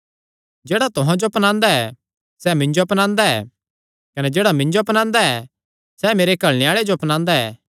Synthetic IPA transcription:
d͡ʒeːɽat̪ʊɦãd͡ʒoɐpnãːnd̪aɛ | sɛmɪ̃ɲd͡ʒoɐpnãːnd̪aɛ̰ː | kɐnɛd͡ʒeːɽamɪ̃ɲd͡ʒoɐpnãːnd̪aɛ | sɛmeːɾekɐɭneaːɭed͡ʒoɐpnãːnd̪aɛ̰ː

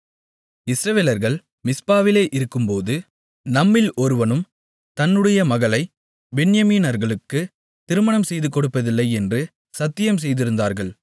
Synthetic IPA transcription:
ɪsɾɐʋeːlɐɾɣɐɭ | mɪspaːʋɪleːʔɪɾɯkːɯmpoːðɯ | nɐmːɪlʔɔɾɯʋɐnɯm | t̪ɐnːɯɽɐjɐmɐɣɐlɐɪ | bɛɳɪjɐmiːnɐɾɣɐɭɯkːɯ | t̪ɪɾɯmɐɳɐmsɛjðɯkːɔɽɯpːɐðɪlːɐɪɛndrɯ | sɐt̪ːɪjɐms̬ɛjðɪɾɯnd̪aːɾɣɐɭ

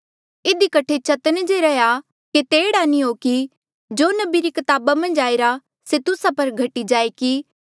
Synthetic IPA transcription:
ɪd̪ikɐʈʰet͡ʃɐt̪ənd͡ʒeɾɛja | ket̪eːɽanĩɦoːki | d͡ʒoːnɐbiɾikɐt̪aːbamɐ̃nd͡ʒaːeɾa | set̪ʊsapɐɾɡʱɐʈːid͡ʒaːeki

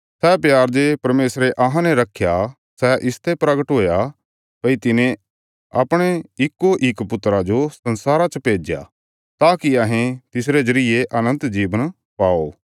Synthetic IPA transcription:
sɛpjaːɾd͡ʒepɐɾmeːsɾeʔɐɦãnɛɾɐkʰːja | sɛʔɪst̪ʰepɾəɡəʈɦoːja | pɐit̪ɪnẽ | ɐ̰pɽ̃eɪkːoʔɪkpʊt̪ɾad͡ʒosɐnsaːɾat͡ʃəpeːd͡ʒja̰ | t̪aːkiɐɦẽt̪ɪsɾed͡ʒɐɾɪjeʔɐnə̃nt̪d͡ʒiːʋən | paːo

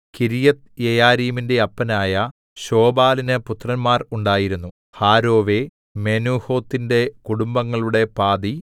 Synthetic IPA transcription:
kiɾijɐt̪jejaːɾiːminde̞ɐpːɐnaːjɐ | ɕo̞ːbaːlinɨput̪rɐnmaːruɳɖaːjiɾunːu | haːɾo̞ːʋe | me̞nuːho̞ːt̪ːinde̞kuɽumbɐŋːɐɭuɽe̞paːd̪i

